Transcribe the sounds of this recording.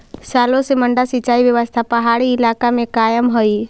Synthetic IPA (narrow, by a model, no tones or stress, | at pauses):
saːlõseməɳɖasit͡ʃaːiʋjəʋəst̪ʰapəɦaːɽiɪlaːkamẽkaːjəmɦoi